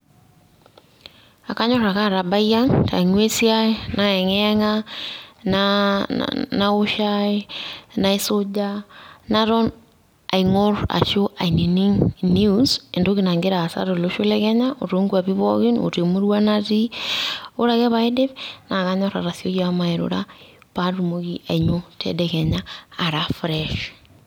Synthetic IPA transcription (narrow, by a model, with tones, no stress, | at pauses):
a˨ka˦ɲɔɾa˨ka˦ɾa˨ba˦ja˦ŋtʰa̰˨i˨ŋwe˦sjanaɛ˨ŋɛŋa | na̰ | nao˦ʃaena˦e˦sod͡ʒanaɾɔ˦n | a˨iŋo˦ɾa̰˨ʃo˦ʔa̰˨i˨ni˨ni˦ŋnuse˨ndo˦kina˨ŋɡe˦ɾa˨sa̰˦ɾo˨loʃo˦lɛkɛɲaʔo˨ɾo˦ŋɡua˨βi˦βɔɣi˦no̰˨te˨mo˦ɾwa˦nati˦ | o˦ɾa˨kɛ˦βa˦e˦de˦βna˨kaɲɔ˦ɾa̰˨ɾa˨θjo˦ja˦ma˨eɾo̰˨ɾa | pa˦ɾu˨moki˦ʔa˨ɲo˦tɛ̰dɛkɛɲaː˨ɾafɾɛʃ